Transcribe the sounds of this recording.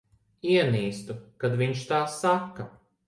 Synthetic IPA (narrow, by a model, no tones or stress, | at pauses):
iɛniːst̪ukad̪viɲʃt̪aːsːakːa